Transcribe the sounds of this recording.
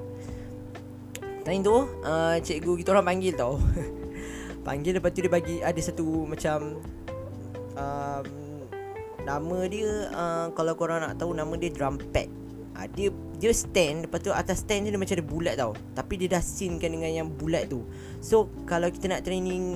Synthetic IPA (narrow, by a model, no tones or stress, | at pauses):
t̪aint̪uʔət͡ʃeʔɡukit̪əoɾaŋpaŋɡɪlt̪aw | pa̰ŋɡɪldəpat̪it̪udiəbaɡiadəsat̪umãt͡ʃam | əm | namə̃diəəkalawkoɾaŋna̰ʔt̪aunamə̃diədɾampɛ̰t̪̚ | ʔa̰diə | diəst̪ɛndəpat̪ua̰t̪ast̪ɛndudiəmat͡ʃamdiəbulɛt̪̚t̪au | t̪apidiədasinkandəŋãnjaŋbulɛʔ̪̚t̪u | so | kalawki̥t̪ənaʔt̪ɾenĩŋ